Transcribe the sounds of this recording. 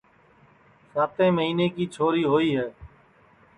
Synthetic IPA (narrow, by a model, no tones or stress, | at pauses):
saːt̪ʰẽːməɦiːneːkiːt͡ʃʰoːɾiːɦoːiːɦɛː